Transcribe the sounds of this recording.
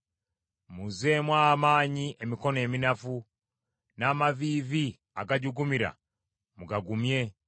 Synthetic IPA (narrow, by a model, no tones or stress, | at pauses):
muzemwaːmaːɲiʔemiko̞ne̞ːminafu | naːmavivi | a̰ɡaɟuɡumiɾa̰ | muɡaɡumje̞